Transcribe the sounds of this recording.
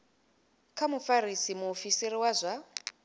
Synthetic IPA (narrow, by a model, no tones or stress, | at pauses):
kʰamufaɾisimuːfisiɾiwazʷa